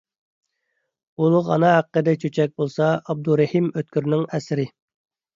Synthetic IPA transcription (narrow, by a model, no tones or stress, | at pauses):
ulˠʊʁɑ̰nɑɦæqːəd̪ɛt͡ʃʰøt͡ʃʰɛk̚ʲbolˠsɑɑb̚d̪uɾɛhimøt̪kʲyɾnɪŋɛsɾɪ